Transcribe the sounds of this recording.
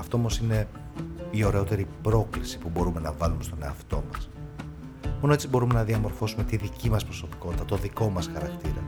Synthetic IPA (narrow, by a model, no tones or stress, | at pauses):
ɐft̪oomo̞sine̞ | io̞ɾe̞o̞t̪e̞ɾipɾo̞klisi̥pubo̞ɾume̞nɐvɐlume̞st̪o̞ne̞ɐft̪o̞̰mɐs | mono̞et͡sibo̞ɾume̞nɐðiɐmo̞ɾfo̞sume̞t̪iðicimɐspɾo̞so̞pi̥ko̞t̪it̪ɐt̪o̞ðiko̞mɐsxɐɾɐkt̪iɾɐ̰